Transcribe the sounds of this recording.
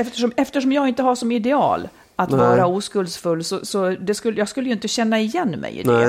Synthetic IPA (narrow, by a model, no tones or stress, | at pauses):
ɛft̪əʂɔmɛft̪əʂɔmjɑːɡɪnt̪əhaʂɔmɪd̪ɛɑ̰ːl | at̪vɑːɾauːskɵlsfɵlːsɔsɔd̪ɛskɵlːəjɑːɡskɵlːəjɵɪnt̪əɕɛnːaɪjɛnːmɛ̰jɪ̰